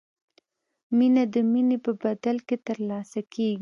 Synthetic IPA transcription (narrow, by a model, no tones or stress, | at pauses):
minad̪əminepəbad̪alket̪əɾlɑsakʰeɡi